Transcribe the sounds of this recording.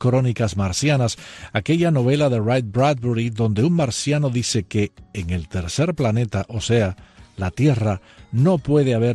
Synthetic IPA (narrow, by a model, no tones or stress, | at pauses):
kɾo̞nikazmaɾsjanasake̞ʎano̞β̞e̞laðe̞rajt̪̚bɾad̪̚buɾiðo̞nd̪e̞uŋmaɾsjano̞ðise̞keːŋe̞lt̪e̞ɾse̞ɾplane̞t̪aʔo̞se̞alat̪je̞ra | no̞pwe̞ð̞eaβ̞e